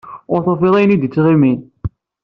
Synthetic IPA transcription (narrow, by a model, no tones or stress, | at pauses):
ʊɾθofilˤæjnid̪it͡sːʁimin